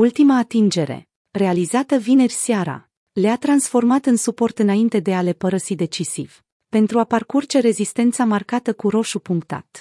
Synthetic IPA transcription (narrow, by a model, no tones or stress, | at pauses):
ult̪imaːt̪ind͡ʒe̞ɾe̞̰ | re̞alizat̪əvine̞rʲsjaɾa̰ | leat̪ɾansfo̞rmat̪ɨnsupo̞rt̪ɨnaint̪e̞d̪e̞ale̞pəɾəsid̪e̞t͡ʃisiv̥ | pe̞nt̪ɾuaparkurt͡ʃe̞ɾe̞zist̪e̞nt̪samarkat̪əkuɾo̞ʃupuŋkt̪a̰t̪